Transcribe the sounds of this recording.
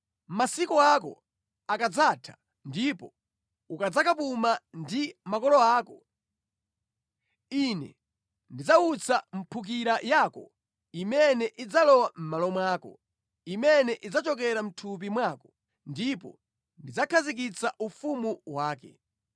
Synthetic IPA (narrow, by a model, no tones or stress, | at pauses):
masikɔakɔ̰ | akad͡zaːtʰḁ | ndipɔ | ukad͡zakapumandimakɔlɔaːkɔ | inɛ̰ | ndid͡zaut͡sam̩pʰuk̬iɾajaːkɔ̰ | imɛnɛʔid͡zalɔwam̩malɔmwaːkɔ̰ | imɛnɛʔid͡zat͡ʃɔk̬ɛɾam̩tʰup̬imwakɔ̥ | ndipɔ̰ | ndid͡zakʰazik̬it͡saʔufumuwaːkɛ̰